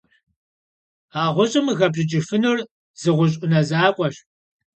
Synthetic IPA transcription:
aːʁʷʊɕʼɐmɨɣɐbʑʼɪt͡ʃʼɪfɨnur | z̥ɨʁʷʊɕ̬ʼʊnɐzaːkʷʼɔɕ

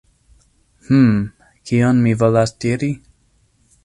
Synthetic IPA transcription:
hm̩ | kʰionmivolasdiɾi

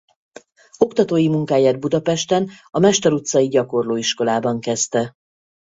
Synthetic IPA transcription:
o̞kt̪ɒt̪oːjimuŋkaːjaːd̪̚bud̪ɒpɛʃt̪ɛnɒmɛʃt̪ɛɾut̪sɒjiɟɒko̞rloːiʃko̞laːbɒŋkɛst̪ɛ

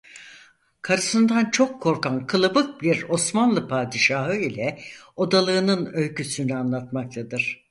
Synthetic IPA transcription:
kʰaɾɯsɯnd̪ant͡ʃʰo̞kʰːo̞ɾkankʰɯlˠɯbɯk̚biɾo̞smanlˠɯpʰaːd̪iʃaɦɯilʲɛo̞d̪alˠɯːnɯnø̞lʲcʰysynyanlˠat̪mak̚t̪ʰad̪ɯɾ̥

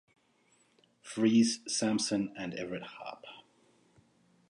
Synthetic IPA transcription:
fɹiːz̥sæ̃msə̃nɨ̃ndɛ̰vɹɨt̚hɑ̰p

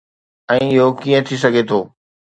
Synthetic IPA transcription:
ɛ̃ːɪɦokiə̃t̪ʰis̬ɐɡʱet̪ʰoː

